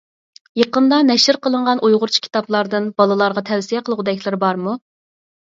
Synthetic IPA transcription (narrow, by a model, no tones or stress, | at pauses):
jeqənd̪ɑnɛʃɪɾqəlˠəɴʁɑnʔujʁʊɾt͡ʃʰi̥kʲʰi̥t̪ɑplˠɑɾd̪ɨnbɑlˠɨlˠɑɾʁɑt̪ʰɛwsijɛqʰəlˠəʁd̪ɛkʲlˠɪɾbɑɾmu